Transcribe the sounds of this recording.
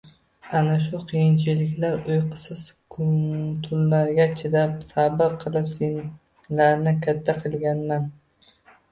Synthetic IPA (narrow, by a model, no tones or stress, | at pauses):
anaʃ̬ʊqʰijɪnt͡ʃʰɪlɪkʲlaɾʊjqʰɨ̥sɪz̥kʰt̪ʰʊlːaɾɡʲat͡ʃʰɪd̪ap̚sabɪɾqʰɨlˠɪpsen | laɾnɪkʲʰat̪ʰːaqʰɨlˠɡʲanman